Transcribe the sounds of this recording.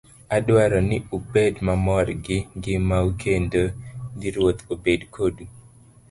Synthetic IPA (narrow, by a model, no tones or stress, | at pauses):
adwaɾɔnɪubedmamɔrɡɪɡɪmaukʰendoɡɪɾwot̪obedkʰodu